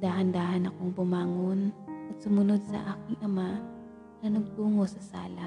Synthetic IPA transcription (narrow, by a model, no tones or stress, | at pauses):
d̪aːhɐnd̪aːhɐnɐkoŋbʊmaːŋonʔɐt̪̚sʊmʊno̞d̪̚sɐ̰ʔaːkɪŋʔɐma | nɐnɐɡ̚puːŋosɐsa̰ːlɐ